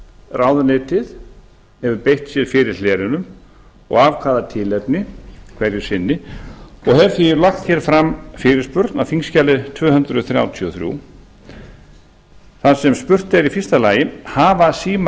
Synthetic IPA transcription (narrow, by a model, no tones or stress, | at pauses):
raːwðʏnɪːt̪ɪð | hɛvʏɾpejht̪sjɛɾ̥fɪɾɪɾ̥lɛːɾɪnʏm | ɔ̰ɣaːvkʰvaːðat̪ʰɪlɛpnɪkʰv̥ɛɾjɪ̥sɪnːɪɔɣhɛvθiɾlaxt̪çɛɾ̥fɾamːfɪːɾɪɾ̥spʏɾt̪nawfiŋscaːlɪt̪ʰvœːɦʏnt̪ɾʏθɾja̰ːwt̪ʰiɔθɾjṵ | θaðsɛmspʏr̥t̪ɛɾifɪrst̪alaːjɪhaːvasiːm